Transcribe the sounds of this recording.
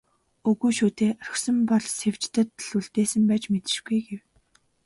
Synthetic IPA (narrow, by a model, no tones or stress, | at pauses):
ɵɣujʃuːt̪eːrɵxsɞ̆mpɔɮsew̥t͡ɕt̪ə̆t̪ɮuɮt̪eːsɘ̆mpæːt͡ɕmet̪ɘ̥̆ʃɡujɡew